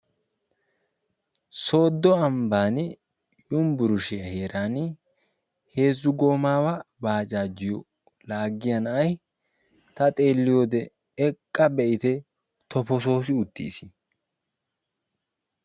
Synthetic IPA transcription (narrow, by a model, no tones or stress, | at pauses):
so̞ːd̪ːɔɐmbaːnɪ | jʊmbʊɾʊʃɪjɐhe̞ːɾaːn | he̞ːzːʊɡo̞ːmaːwɐbaːt͡ʃʼaːd͡ʒːɪjɔ | laːɡːɪjɐnɐʔɐj | t̪ɐt̪ʼe̞ːlːɪjoːd̪ɛ | ɛkʼːɐbɛʔɪt̪ɛ | t̪ɔfɔs̬o̞ːs̬ɪʊt̪ːḭːsɪ̥